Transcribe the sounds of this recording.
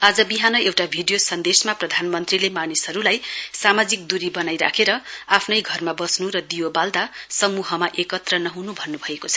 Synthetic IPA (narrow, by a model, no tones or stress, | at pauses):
ad͡zʌbiɦanʌewʈabʱiɖijosʌnd̪esmaprʌd̪ʱanmʌnt̪rilemanisʌɾulajsamad͡zik̚d̪uɾibʌnajɾa̰kʰeɾʌapʰnʌjɡʱʌrmabʌsnuɾʌd̪ijobald̪asʌmuɦʌmaʔekʌt̪rʌnʌɦunubʱʌnːubʱʌekot͡sʰʌ̥